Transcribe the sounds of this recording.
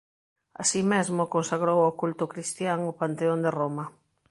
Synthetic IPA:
a̰simezmʊkonsaɣɾowokult̪ʊkɾist̪jaŋʊpant̪eond̪eromɐ

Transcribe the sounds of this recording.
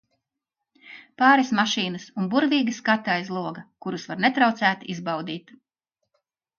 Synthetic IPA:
paːɾesmaʃiːnɐsunbuɾviːɡəskat̪ːajzlˠuɔɡɐkuɾusvaɾnet̪ɾawt̪sæːt̪izbawd̪iːt̪

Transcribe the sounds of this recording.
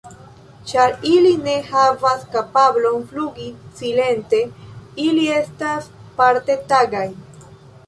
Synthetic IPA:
t͡ʃaɾiline̞havaskapablo̞nfluɡisile̞nte̞ilie̞staspaɾte̞taɡaj

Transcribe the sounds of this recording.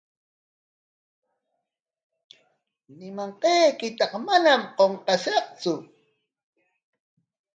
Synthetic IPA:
nɪmaɴqejkɪt̪ɑqmanamqoɴqɑʃɑqt͡sʊ

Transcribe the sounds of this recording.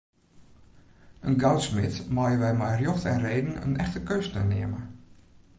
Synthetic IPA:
ənɡawtsmɪtmajəʋɛjmɛjrjoxtɛ̰nreːdn̩ə̰nɛxtəkøːstə̰nɪ̰əmə

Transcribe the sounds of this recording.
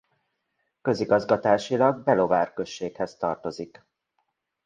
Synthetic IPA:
kø̞ziɡɒzɡɒt̪aːʃilɒɡ̚bɛlo̞vaːrkø̞ʃːeːkhɛst̪ɒrt̪o̞zik

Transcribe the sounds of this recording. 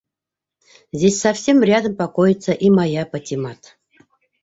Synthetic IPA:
zʲdʲesʲsafsʲe̞mrʲad̪əmpakojɪt̪səʔimajapətʲimɑt̪

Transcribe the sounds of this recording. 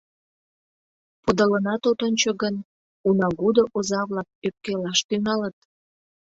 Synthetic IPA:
pud̪ələnɑt̪ot̪onʲt͡ɕoɣən | unɑɣud̪oʔozɑβlɑk̚øp̚kelɑʃt̪yŋɑlət̪̚

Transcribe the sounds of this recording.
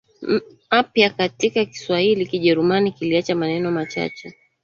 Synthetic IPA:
apjakatikaki̥swahilikiʄɛɾumanikiliat͡ʃamanɛnɔmat͡ʃa̰t͡ʃɛ

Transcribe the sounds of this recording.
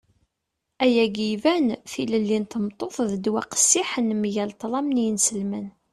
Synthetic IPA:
æjæɡivænθiləlːint̪əmt̪ˤoθˤðəd̪wæqə̥sːiħənmʝælt̪ˤlˤɑmnjənsəlmən

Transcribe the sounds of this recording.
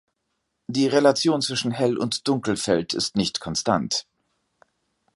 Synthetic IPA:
d̥iːʁelat͡sjoːnt͡sv̥ɪʃn̩hɛlʊ̰ntd̥ʊŋkl̩fɛltʰɪstnɪçtkʰɔnsta̰nt

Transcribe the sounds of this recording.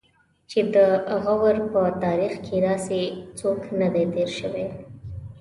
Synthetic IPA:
t͡ʃed̪əaɣawəɾpət̪ɑɾixkʰed̪ɑset͡soknad̪et̪eɾʃəwe

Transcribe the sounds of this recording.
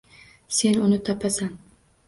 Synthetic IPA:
se̞nʊnɪt̪ʰapʰasan

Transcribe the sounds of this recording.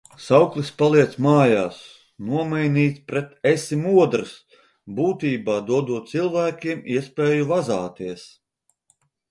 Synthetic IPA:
sawklˠispalˠiɛt̪smaːjaːs | nuɔmɛjniːt̪spɾɛt̪ɛsimuɔd̪ɾɨs | buːt̪iːbaːd̪uɔd̪uɔt̪̚t̪silˠvæːkʲiɛmiɛspɛːjuvazaːt̪iɛs

